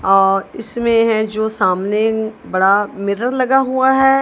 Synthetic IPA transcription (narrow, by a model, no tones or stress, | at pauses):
ɔːɾɪsmẽɦɛ̃d͡ʒoːsaːmnebɐɽamɪɾəɾlɐɡaɦuaɦɛː